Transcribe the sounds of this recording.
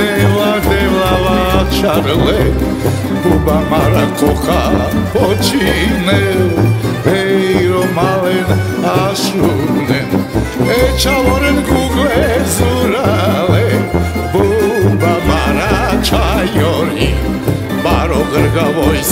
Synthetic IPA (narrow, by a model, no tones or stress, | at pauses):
ɛvad̪ɛlavat͡ʃaɾəlɛ | bubamaɾakʰɔχa | pɔt͡ʃʰinɛɾ | ɛɾɔmalɛn | aʃunɛn | ɛt͡ʃʰavɔɾɛnɡuɡlɛzuɾalɛ | bubamaɾat͡ʃʰajɔɾi | baɾɔɣəɾɣavɔj